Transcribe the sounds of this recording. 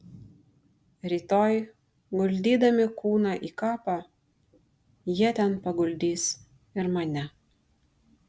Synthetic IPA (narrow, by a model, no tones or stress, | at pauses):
ɾʲiːt̪oːj | ɡʊlʲd̪ʲiːd̪ɐmʲɪkuːnɑʔiːkɑːpɑ | jiɛt̪ʲɛnpɐɡʊlʲd̪ʲiːs | ɪɾmɐnʲɛ